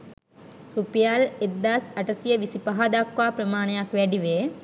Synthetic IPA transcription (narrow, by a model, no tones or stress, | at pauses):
ɾupijaled̪ːaːsɐʈəsijəʋisipaɦad̪akʋaːpɾəmaːnɐjakʋæɖiʋe